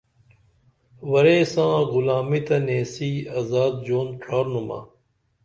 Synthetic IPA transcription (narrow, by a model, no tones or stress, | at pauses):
ʋɐɾeːsãːɣʊlaːmiːt̪ɐneːsiːaːzaːd̪̚d͡ʒoːnʈʰaːɾnuma̰ː